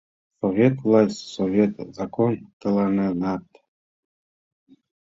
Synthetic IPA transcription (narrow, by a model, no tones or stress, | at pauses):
sovʲet̪vlˠasʲtsovʲet̪ʰzakʰont̪ɨlˠarnɨnat̪ʰʼ